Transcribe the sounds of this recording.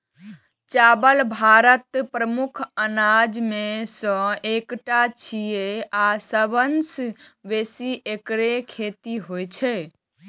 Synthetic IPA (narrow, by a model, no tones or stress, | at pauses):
t͡ʃabəlbʱaɾət̪pɾəmukʰənad͡ʒmesə̃ekʈat͡ʃʰijeasəbənsbesiʔekɾekʰet̪iɦojt͡ʃʰɛ